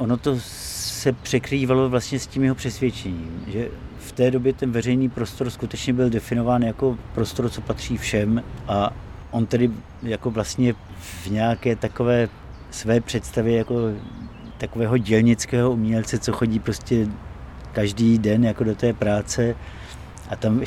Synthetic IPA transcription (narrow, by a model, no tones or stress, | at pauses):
ʔono̞t̪o̞ | sɛpr̥ɛkɾiːvalo̞vlast̪ɲɛscimjɛɦopr̝̥ɛsvjɛt͡ʃɛɲiːmʒɛft̪ɛːdo̞bjɛt̪ɛnvɛrɛjniːpɾo̞st̪o̞ɾskut̪ɛt͡ʃɲɛbɪldɛfɪno̞vaːnjako̞pɾo̞st̪o̞ɾt͡so̞pat̪r̝̥iːfʃɛmʔa | ʔo̞nt̪adɪ | jako̞vlast̪ɲɛvɲɛakɛːt̪ako̞vɛː | svɛːpr̝̥ɛt̪st̪avjɛjako̞ | t̪ako̞vɛːɦo̞ɟɛlɲɪt͡skɛːɦoumɲɛlt͡sɛt͡so̞xo̞ɟiːpɾo̞scɛ | kaʒdiːdɛnjakodo̞t̪ɛːpɾaːt͡sɛ | ʔat̪am